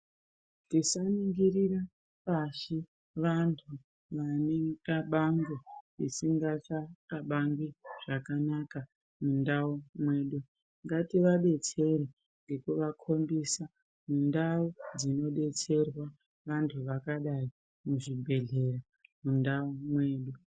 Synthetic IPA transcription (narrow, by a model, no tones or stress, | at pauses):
tisaniŋɡiɾiɾa | paʃi | ʋantʰu | ʋanekaɓaŋɡeisiŋɡat͡ʃakaɓaŋɡwiʐ̥akanaka | mundaumwe̞ːɗu | ŋɡatiʋaɓe̞t͡se̞ɾi | ŋɡe̞kuʋakʰo̞mbisa | mundaud͡zino̞ɓe̞t͡se̞rwa | ʋantʰuʋakaɗai | muʐibʱe̞ɮe̞ɾa | mundaumwe̞ːɗu